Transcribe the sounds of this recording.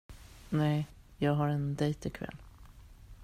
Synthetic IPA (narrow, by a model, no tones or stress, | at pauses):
nɛɪjɑːɡɦaɾɛnd̪ɛjt̪ɪkʰvɛ̰lː